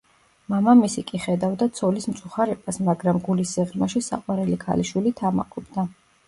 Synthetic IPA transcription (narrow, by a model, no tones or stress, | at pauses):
mamamisikʼiχɛd̪avd̪at̪sʰɔlismt̪sʼuχaɾɛbasmaɡɾamɡulisːiʁɾmaʃisa̰qʼwaɾɛlikʰa̰liʃwilit̪ʰama̰qʼɔbd̪a